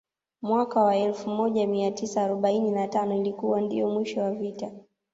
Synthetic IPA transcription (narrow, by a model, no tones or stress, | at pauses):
mwakawaɛlfumɔʄamiatisaːɾɔɓaininatanɔilikuwandḭjɔmwiʃɔwavita